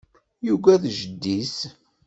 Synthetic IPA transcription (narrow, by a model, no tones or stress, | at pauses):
juɡæðʒəd̪ːis